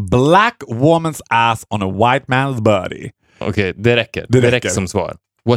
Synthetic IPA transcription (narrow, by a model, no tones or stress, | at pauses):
blækwʊmə̃nsæsn̩əwaɪt̚mæ̃nzbɜ̰ːɾɪ̰ | ɔ̰kʰeɪd̪ɛɾɛkːə̰ɾd̪ɛɾɛɾɛkːəsɔmsvɑ̰ːɾ | vɔ